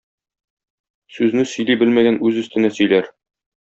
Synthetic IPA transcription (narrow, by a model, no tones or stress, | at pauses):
sʉznɘsɵ̆jlibɘlmæɡænʉzɵ̆st̪ɘ̆næsɵ̆jlæɾ